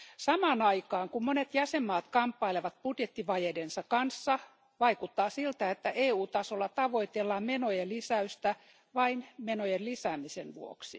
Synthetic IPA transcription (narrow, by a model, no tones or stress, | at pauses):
sɑmɑːnɑikɑːŋkummonet̪jæsemːɑːt̪kɑmpːɑileʋɑt̪̚pud̥jet̪ːiʋɑjedensɑkɑnsːɑ | ʋɑikut̪ːɑːsilt̪æet̪ːæʔeːuːt̪ɑsolːɑt̪ɑʋoit̪elːɑmenojelisæyst̪æ | ʋɑinmenojellisæːmisenʋuo̰ksi